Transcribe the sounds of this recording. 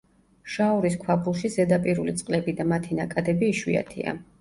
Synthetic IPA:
ʃaɔɾiskʰwabʰulˠʃizɛd̪apʼiɾulit̪sʼqʼlɛbid̪amat̪ʰinakʼad̪ɛbiːʃwḭa̰t̪ʰḭa̰

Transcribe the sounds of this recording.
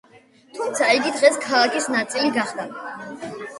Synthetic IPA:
t̪ʰumt̪sʰaiɡid̪ʁɛskʰalˠakʰisnat̪sʼiliɡaχd̪a

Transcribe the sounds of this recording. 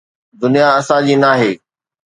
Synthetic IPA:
d̪ʊnijaɐsãd͡ʑiːnaːɦeː

